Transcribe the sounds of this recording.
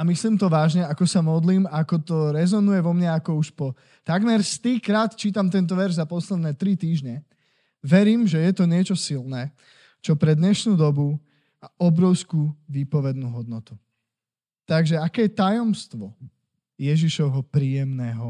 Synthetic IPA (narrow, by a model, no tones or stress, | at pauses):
amisliːmt̪ɔʋaːʒɲɛakɔsamɔd̪liːmaakɔt̪ɔɾɛzɔnujɛʋɔmɲaakɔuʃpɔ | t̪aɡmɛɾst̪ikɾaːt̪t͡ʃiːt̪amt̪̬ɛnt̪̬ɔʋɛɾʒzapɔslɛd̪nɛːt̪ɾit̪iːʒɲɛ | ʋɛɾiːmʒɛjɛt̪ɔɲɪɛt͡ʃɔsilnɛː | t͡ʃɔpɾɛd̪ɲɛʃnuːd̪ɔbu | maɔbɾɔʊskuːʋiːpɔʋɛd̪nuːɦɔd̪nɔt̪u | t̪aɡʒɛakɛːjɛt̪ajɔmst̪ʋɔ | jɛʒiʃɔɦɔpɾiːjɛmnɛːɦɔ